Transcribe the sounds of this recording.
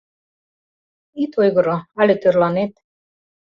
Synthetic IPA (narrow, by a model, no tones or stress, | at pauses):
it̪ojɣɤ̆ɾoɑlʲet̪ørlɑnet̪